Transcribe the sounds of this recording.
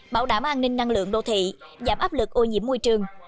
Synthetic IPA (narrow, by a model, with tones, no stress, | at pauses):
ɓaː˧˩wɗaː˧˩mʔaː˧nï˧ŋ̟na˧ŋlɨ̰˧˨əŋɗo̰˧˨t̪ʰḭ˧˨zaː˧˩mʔaː˦˥p̚lɨ˨˩k̚ʔo˧ɲḭ˧˥əmːo˧jt͡ɕɨ˨˧˩əŋ